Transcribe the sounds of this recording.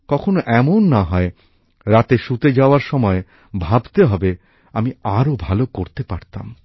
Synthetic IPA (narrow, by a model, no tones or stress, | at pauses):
kɔkʰonoʔɛmonːaɦɔe | ɾat̪eʃut̪ed͡ʑaoaɾʃɔmɔe | bʱabt̪eɦɔbe | amiaɾobʱalokoɾt̪epaɾt̪a̰m